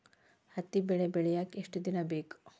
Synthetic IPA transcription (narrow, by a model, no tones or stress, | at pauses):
hɐt̪ːibeɭebeɭjakeʂʈid̪inabek